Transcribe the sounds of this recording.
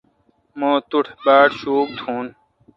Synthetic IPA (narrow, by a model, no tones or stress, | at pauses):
moːt̪uʈʰbaːʈɕuːk̚t̪ʰũːn